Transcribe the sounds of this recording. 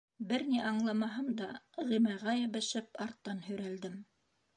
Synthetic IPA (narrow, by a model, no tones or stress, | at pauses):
bɘɾniʔɑɴlˠɑmɑɦɤmd̪ɑʁimæʁæjɘ̆βɘ̆ʃɘpɑɾt̪ːɑnɦɵ̆jɾæld̪ɘm